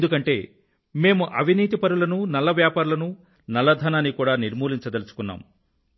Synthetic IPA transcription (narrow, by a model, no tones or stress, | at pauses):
end̪ukɐɳʈe̞ː | me̞ːmuʔɐʋʱiniːt̪̬ipɐɾulɐnunɐlːɐʋjaːpaːɾulɐnu | nɐlːɐd̪ʱɐnaːnːikuːɽaːniɾmuːliɲt͡ʃɐd̪elɐsu̥kunːa̰ːm